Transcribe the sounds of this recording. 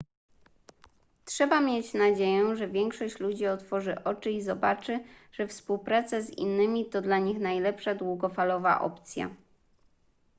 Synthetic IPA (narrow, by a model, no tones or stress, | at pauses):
tʂɛbamʲjet͡ɕnad͡ʑejɛʐɛvʲjɛŋkʂɔɕt͡ɕlud͡ʑiɔt̪fɔʐɘʔɔt͡ʂɘizɔbat͡ʂɘ | ʐ̥ɛfspuwpɾat̪sɛzḭnːɘmʲit̪ɔd̪laɲixnajlɛpʂad̪wuɡɔfalɔva̰ʔɔ̰pt̪sʲja̰